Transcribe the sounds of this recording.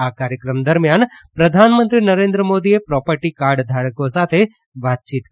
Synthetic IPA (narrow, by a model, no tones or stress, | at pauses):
akaːɾjəkɾəmd̪əɾmjanpɾəd̪ʱanmə̃nt̪ɾinəɾẽnd̪ɾəmoːd̪iepɾɔːpəɾʈikaɾɖd̪ʱaɾəkosat̪ʰe | ʋat̪̚t͡ʃit̪